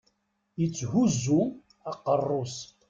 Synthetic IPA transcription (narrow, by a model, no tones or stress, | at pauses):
jət͡sːhuzːu | ɑqərˤːos